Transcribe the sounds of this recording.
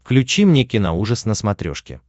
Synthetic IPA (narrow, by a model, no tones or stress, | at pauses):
fklʲʉt͡ɕimnʲekʲɪnauʐəsnəsmɐt̪ɾʲo̰ʂkʲɪ̰